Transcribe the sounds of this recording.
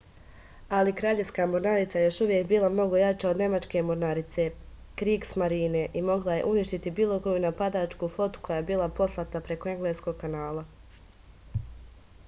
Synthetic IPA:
alikɾaːʎeʋskaːmoɾnaɾit̪sajejo̞ʃuʋje̞kbiːlˠamno̞ɡo̞jat͡ʃaod̪ne̞mat͡ʃke̞moɾnaɾit̪se̞ | kɾiːɡsmaɾiːne̞ʔimo̞ɡlˠaje̞̰ʔuniʃt̪it̪ibiːlˠo̞kojunapad̪at͡ʃkuːfˠo̞t̪u̥kʰo̞jaːebiːlˠapo̞slˠat̪apɾe̞koe̞ŋɡleːsko̞ɡ̚kanaːlˠa

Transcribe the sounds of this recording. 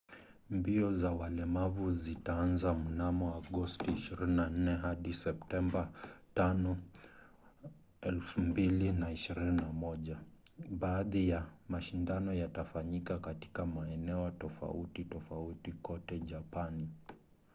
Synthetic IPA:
mbiɔzawalɛmavuzitaanzamunamɔaɠɔstiːʃiɾininan̩nɛɦaɗisɛp̚tɛmbatanɔ | ɛlfumbilinaiʃiɾininamɔʄaɓaːðijamaʃindanɔjatafaɲikakati̥kamaɛnɛɔtɔfa̰utitɔfautikɔtɛʄapani

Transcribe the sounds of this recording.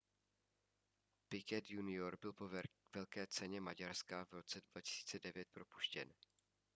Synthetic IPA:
pɪkɛt̪junɪoɾbɪlpovɛlkɛːt͡sɛɲɛmaɟaɾskavɾo̞t͡sɛdvacɪ̥si̥ːt͡sɛdɛvjɛt̪̚pɾo̞pu̥ʃcɛ̰n

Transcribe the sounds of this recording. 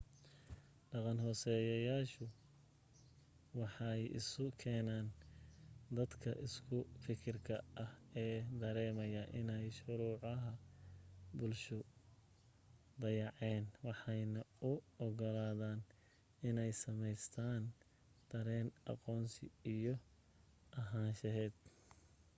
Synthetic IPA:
ɖɑqɑnɦɔːsɛjɐjaːʃʊ | wɑħɑjɪ̰sʊkʰɛːnaːn | d̪ɐd̪kʰɐ̰ʔɪskʰʊfɪkʰɪrkʰɐɐhɛːd̪ɐɾɛːmɐjɐʔɪnɛjʃʊɾuːʕɐɦɐ | bʊlʃʊ | d̪ɐjɑʕɛːnwɑħɑjnɐʊɔɣɔlaːðaːn | ɪnɛjsɐmɛjst̪ʰaːn | d̪̥ɐɾɛːnʔɑ̰qɔːnsɪ̰ijɔ | ʔɐɦaːnʃɐɦɛːd̪̥

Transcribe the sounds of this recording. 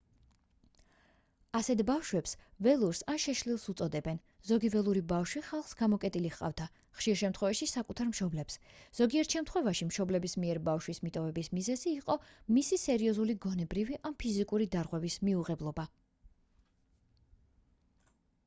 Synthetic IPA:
asɛt̪ʰbafʃwɛpsvɛlˠuɾsanʃɛʃlilˠsut̪sʼɔd̪ɛbɛn | zɔɡivɛlˠuɾibafʃwiχalˠχsɡamɔkʼɛt̪ʼiliχqʼa̰vd̪a | χʃiɾʃɛmt̪ʰχwɛvaʃisakʼut̪ʰaɾmʃɔblɛpsz̥ɔɡiɛɾt̪ʃɛmt̪ʰχwɛvaʃimʃɔblɛbismiɛɾbafʃwismit̪ʼɔvɛbismizɛziːqʼɔmisisɛɾiɔzuliɡɔnɛbɾiviʔampʰizikʼuɾid̪aɾʁwɛvismiuʁɛblˠɔba

